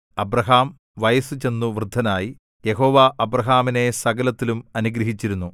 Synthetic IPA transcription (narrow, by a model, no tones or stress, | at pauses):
ɐbɾɐɦaːm | ʋɐjɐsut͡ɕe̞nːuʋrɨd̪ʱːɐnaːji | je̞ɦo̞ːʋaʔɐbɾɐɦaːmine̞sɐɡɐlɐt̪ːilumɐnuɡɾɐɦit͡ɕːiɾunːu